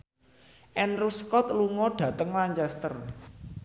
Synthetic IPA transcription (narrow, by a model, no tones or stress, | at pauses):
ʔɛnruskɔt̪luŋɔɖ̥ä̤t̪əŋlaɲt͡ʃɛst̪ər